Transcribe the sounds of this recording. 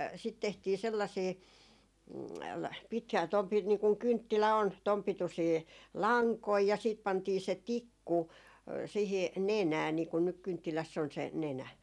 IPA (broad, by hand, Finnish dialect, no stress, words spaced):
sit tehtiː selːɑsiː pit tom pi niː kuŋ kyntːilæ on tom pitusiː lɑŋkoi jɑ siːt pɑntiː se tikːu siːhi nenæː niːkun nyk kyntːilæsː on se nenæ